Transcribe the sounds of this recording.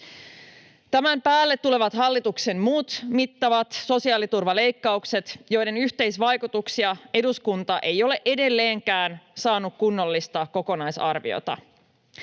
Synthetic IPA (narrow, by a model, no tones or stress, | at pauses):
t̪æmæmpæːlːet̪ːule̞ʋɑt̪hɑlːit̪ukse̞mmuːt̪mit̪ːɑʋɑt̪so̞siɑːlit̪urʋɑle̞jkːɑukse̞t̪jo̞jde̞nyçt̪e̞jsʋɑjkut̪uksiɑe̞duskunt̪ɑʔe̞jo̞le̞ʔe̞de̞lːe̞ːŋkæːnsɑːnukkunːo̞lːist̪ɑko̞ko̞nɑjsɑ̰rʋḭo̰t̪ɑ̰